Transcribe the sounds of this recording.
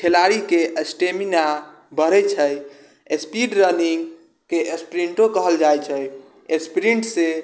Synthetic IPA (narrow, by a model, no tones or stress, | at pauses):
kʰelaɾikeʔəsʈemina | bəɾɛt͡ʃʰəj | espiɖɾəniŋɡ | keʔespɾiɳʈokəɦəld͡ʒajt͡ʃʰəj | espɾiɳʈse